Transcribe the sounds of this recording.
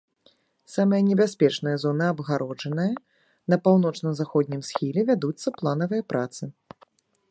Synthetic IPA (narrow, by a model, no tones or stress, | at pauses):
samɐjɐnʲɛbʲasʲpʲɛt͡ʂnɐjɐzɔnɨabɣaɾɔd͡ʐɐnɐjɐ | nɐpawnɔt͡ʂnɐmzaxɔd̪ʲnʲimsʲxʲilʲɛvʲad̪ut̪sːɐplˠan̪ɐvɨjɐpɾʔat̪sɨ